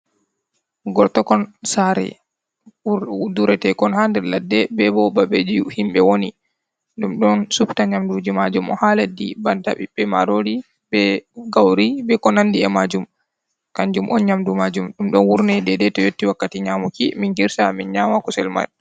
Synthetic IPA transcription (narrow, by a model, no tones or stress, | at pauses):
ɡɔɾtɔkɔnsaɾɛ̰ | uduɾɛtɛkɔnhandɛɾladːɛbɛbɔbabed͡ʒihimɓɛwoni | ɗumɗɔnsuptaɲamdud͡ʒimad͡ʒumɔ̰haledːḭbanta̰ɓḭɓːɛma̰ɾoɾi | bɛɡawɾibɛkɔnandiɛmad͡ʒum | kaɲd͡ʒumʔɔnɲamdumad͡ʒumɗumɗɔnwuɾnɛdɛdɛtɔjotːiwakːatiɲaːmukiminɡiɾsaminɲamakɔsɛ̰lma̰n